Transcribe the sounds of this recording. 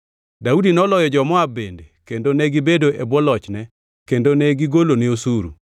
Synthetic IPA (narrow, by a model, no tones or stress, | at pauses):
daudinɔlɔjɔd͡ʒɔmɔabendekendonɛɡɪbedoʔebwɔlɔt͡ʃnɛ | kendonɛɡiɡoloneosuɾṵ